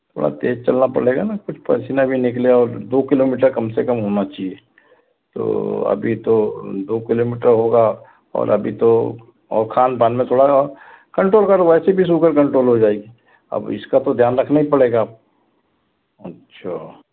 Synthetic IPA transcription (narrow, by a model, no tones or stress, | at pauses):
t̪ʰo̰ːɽa̰t̪ḛːd͡ʒt͡ʃɐlnapɐ̰ɽeːɡanakʊt͡ʃʰpɛ̰ːsiːnabʱinɪkleɔːɾd̪oːkɪloːmiːʈ̬əɾkɐmsekɐmɦoːnat͡ʃaːɦie | t̪o̰ɐ̰bʱit̪od̪oːkɪloːmiːʈəɾɦoɡa | ɔ̰ːɾʔɐ̰bʱit̪o | ɔ̰ːɾkʰaːnpaːnmẽt̪ʰoːɽaɔːɾ | kɐ̃ɳʈɾoːlkəɾʋɛːsebʱis̬uːkəɾkɐ̃ɳʈɾoːlɦod͡ʒaːeːɡi | ɐ̰bɪ̰skat̪od̪ʱjaːnɾɐkʰnaɦipɐɽeːɡap̚ | ɐtːʃʰaː